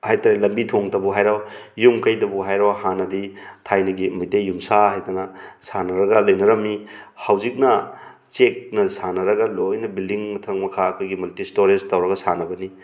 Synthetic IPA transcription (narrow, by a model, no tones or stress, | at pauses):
hajtaɾelɐmbitʰoŋtɐbuɦajɾawjumkɐjdɐbuɦajɾawhanɐditʰajnɐɡimɐjtejumsaɦajdɐnɐsanɐɾɐɡɐlɐjnɐɾɐmːihawzik̚nɐ | t͡ʃek̚nɐsanɐɾɐɡɐlojnɐbildiŋmɐtʰɐŋmɐkʰaɐkʰojɡimultistoɾeztɐwɾɐɡɐsanɐbɐni